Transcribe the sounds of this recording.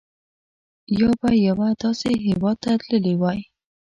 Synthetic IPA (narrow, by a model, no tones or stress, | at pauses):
jɑbajːawad̪ɑseɦewɑd̪̚t̪at̪ləlewɑj